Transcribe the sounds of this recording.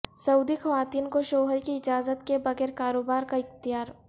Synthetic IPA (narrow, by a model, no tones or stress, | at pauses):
sɐuːd̪ixɐʋaːt̪iːnkoʃoːɦəɾkiɪd͡ʒaːzət̪kebɐɣɛːɾkaːɾoːbaːɾkaɪxt̪ɪjaːɾ